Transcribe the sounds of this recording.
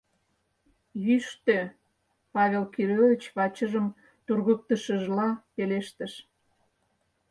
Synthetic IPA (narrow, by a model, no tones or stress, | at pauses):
jyʃt̪ø | pɑβʲelkiɾovʲit͡ɕβɑt͡ɕəʒəm | t̪urɣək̚t̪əʃə̆ʒlɑpeleʃt̪əʃ